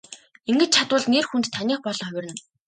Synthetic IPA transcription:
iŋɡɘ̆t͡ɕ̚t͡ɕʰat̪ʊːɮneːrxunt̪t̪ʰːanʲiːχpɔɮɞ̆ŋœw̆ʲrɘ̆n

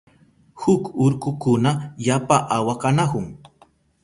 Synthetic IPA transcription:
hʊkʊɾkʊkʊnaʎapaʔawakanakʊŋ

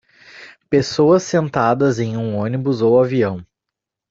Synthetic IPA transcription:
pesoɐsːẽnt̪ad̪ɐzẽj̃ũõnibʊzowaviɐ̃w̃

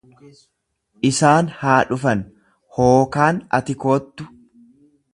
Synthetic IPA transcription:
ʔɪsaːnhaːᶑʊfɐn | hoːkaːnɐ̰t̪ɪkoːt̪ːʊ

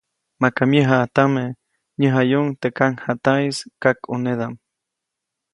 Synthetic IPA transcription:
makamjəɦat̪ame | ɲəɦajuŋt̪ekaŋhat̪ajskakuned̪am

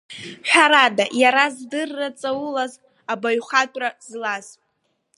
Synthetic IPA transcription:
ħʷᶣaɾadajaɾazdɨrːat͡sʼawulaz | abaɥχatʷʼrazlaz̥

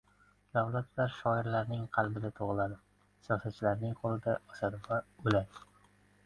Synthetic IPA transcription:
d̪̥awlat̪laɾʃɒɪɾlaɾnɪŋqʰɑlˠbɪd̪at̪ʰoʁlad̪ɪ | sijɒsat̪̚t͡ʃʰɪlaɾnɪŋqʰolˠɪd̪aɒsad̪ɪbaʊlad̪

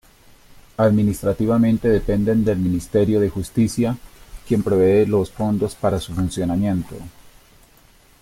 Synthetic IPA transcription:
aðminist̪ɾat̪iβamẽ̞nt̪e̞ðe̞pe̞nd̪e̞nd̪e̞lminist̪e̞ɾjo̞ðe̞xust̪isjakje̞mpɾeβe̞ːlo̞sfo̞nd̪o̞spaɾasufunsjo̞namje̞nt̪o̞̰

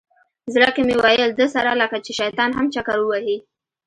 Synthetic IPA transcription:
zɾəkemewajəld̪əsaɾaləkat͡ʃeʃajt̪ɑnɦamt͡ʃakaɾwəwahi

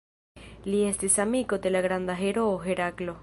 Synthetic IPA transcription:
liest̪esamiɣod̪elaɣɾand̪aɦeɾooɦeɾaklo

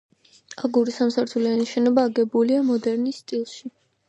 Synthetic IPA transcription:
aɡuɾisamsaɾt̪ʰulianiʃɛnɔbaːɡɛbuliamɔd̪ɛɾnisːt̪ʼilˠʃi

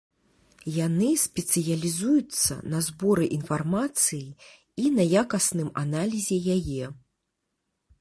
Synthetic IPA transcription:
janɨsʲpʲɛt̪sɨjɐlʲizujut̪sːɐ̰nɐzbɔɾɨʔinfarmat̪sɨji | inɐjakɐsnɨmanalʲizʲɛjajɛ

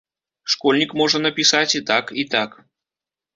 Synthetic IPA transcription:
ʂkɔlʲnʲikmɔʐɐnɐpʲisat͡sʲit̪akit̪ak

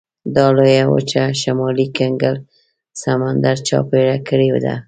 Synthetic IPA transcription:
d̪ɑlojawo̰t͡ʃaʃamɑlikaŋɡəl | samand̪aɾt͡ʃɑ̰peɽakəɽew̰d̪a̰

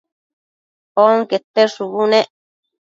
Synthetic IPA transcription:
oŋket̪ːeʂuβunẽʔ

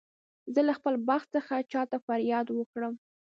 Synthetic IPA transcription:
zəlaxpəlbaxt̪st͡səxat͡ʃɑt̪afaɾjɑd̪wəkɽəm

